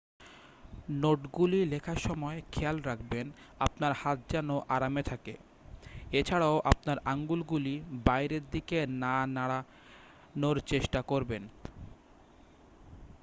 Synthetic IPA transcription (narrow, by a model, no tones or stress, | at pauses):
noʈɡulilekʰaʃɔmɔekʰɛalɾakʰben | apnaɾhat̪̚d͡ʑɛnoʔaɾamet̪ʰake | et͡ɕʰaɽaoʔap̚naɾaŋɡulɡulibajɾeɾd̪ikenanaɽa | noɾt͡ɕeʃʈakoɾben